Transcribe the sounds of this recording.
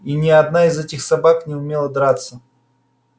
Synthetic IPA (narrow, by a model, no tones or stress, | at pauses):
inʲɪɐd̪naizɛtʲɪxsɐbaknʲɪʊmʲelˠəd̪ɾat̪sə